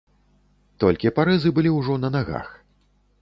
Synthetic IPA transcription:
t̪ɔlʲkʲipaɾɛzɨbɨlʲiwʐɔnɐnaɣa̰x

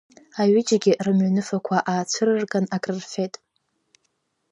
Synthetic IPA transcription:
aɥɪd͡ʒaɡʲɪʔrɨmɥanɨfakʷʰaʔaːt͡sʷʰɨrɨrɡanakʼrɨrfe̞tʼ

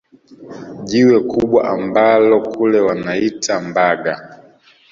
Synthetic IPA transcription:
ʄiwɛkuɓwa̰ʔambalɔkʰulɛwanaitʰambaɡa

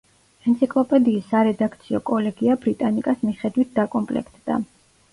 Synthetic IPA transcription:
ɛnt̪sʰikʼlˠɔpʼɛd̪iːsːaɾɛd̪akʰt̪sʰiɔkʼɔlɛɡiabɾit̪ʼanikʼasmiχɛd̪wit̪̚ʰd̪akʼɔmpʼlɛ̰kʰt̪ʰd̪̥a̰

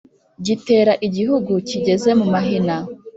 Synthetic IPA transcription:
ɟite̞ːɾaʔiɟihuɡuciɟe̞ze̞mumaɦina

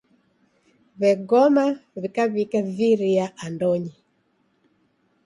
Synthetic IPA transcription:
βɛɡɔmaβikaβikaviɾiaʔandɔɲi

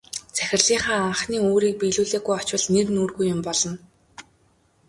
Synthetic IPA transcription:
t͡sæxʲɪ̆rɮiːɴχaːaɴχniːoːɾiːk̚piɮuːɮeːɣujɔt͡ɕwə̆ɮnernuːrɣujʊmpɔɮɞ̆n

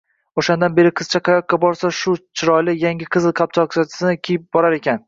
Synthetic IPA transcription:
oʃand̪anbe̞ɾɪqʰɨz̥t͡ʃʰaqʰɑjɒqːabɒɾsaʃʊt͡ʃʰɪɾɒjlɪjaŋʲɪqʰɨzɪlˠqʰap̚t͡ʃʰɒksʰat̪ʰɪ̥sɪnɪkʲʰejɪp̚bɒɾaɾe̞kʲʰan

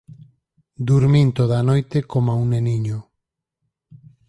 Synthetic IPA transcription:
d̪uɾmint̪oðanojt̪ekomauneniɲo

